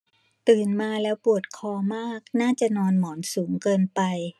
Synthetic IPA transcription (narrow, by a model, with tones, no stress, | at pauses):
t̪ɯː˨˩nmaː˧lɛː˦˥wpu˨˩ət̪̚kʰɔː˧maː˥˩k̚naː˥˩t͡ɕa˨˩nɔː˧nmɔː˩˦nsuː˩˦ŋkɤː˧npa˧j